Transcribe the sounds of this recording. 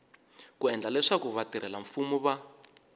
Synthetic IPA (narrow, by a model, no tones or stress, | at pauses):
kuɛnd͡ɮalɛʂakuβatiɾɛlaɱfumɔβa